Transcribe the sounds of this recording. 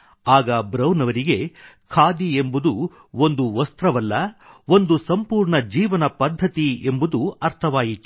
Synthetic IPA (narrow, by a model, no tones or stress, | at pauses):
aːɡɐbɾɐwnɐʋɐɾiɡe̞ | kʰaːd̪iembud̪u | o̞nd̪uʋɐst̪ɾɐʋɐlːɐond̪usɐmpuːɾɳɐd͡ʒiːʋɐnɐpɐd̪ʱːɐt̪ie̞mbud̪uɐɾt̪ʰɐʋaːjit̪ːu̥